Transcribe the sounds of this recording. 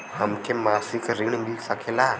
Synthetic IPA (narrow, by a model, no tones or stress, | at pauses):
həmkemasikɾiɳ̃milsəkʰela